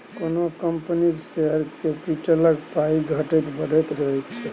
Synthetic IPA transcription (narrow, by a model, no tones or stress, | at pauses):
konokəmpənikseɦəɾkepiʈələkpaiɡʱəʈɛt̪bəɖɛt̪ɾəɦɛt͡ʃʰɛ